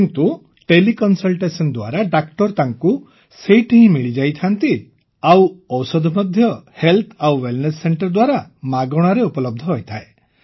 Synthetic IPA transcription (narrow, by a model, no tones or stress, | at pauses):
kint̪u | ʈelikɔnsɔlʈesɔnd̪wa̰ɾaɖakʈɔɾt̪aŋku | sejʈʰiɦĩmiɭid͡ʒajt̪ʰant̪i | awɔwsɔd̪ʱɔmɔd̪ʱjɔhelt̪ʰawwelnesːeɳʈɔɾɔd̪waɾamaɡɔɽ̃aɾeupɔlɔb̚d̪ʱɔɦojt̪ʰae